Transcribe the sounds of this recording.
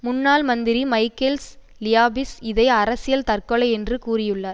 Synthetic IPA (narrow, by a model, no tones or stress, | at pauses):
mʊnːaːlmɐnd̪ɪɾimɐɪkːels | lɪjaːbɪsɪðɐɪɐɾɐsɪjɐlt̪ɐrkɔɭɐɪɛndrɯkuːrɪjɯɭːɐɾ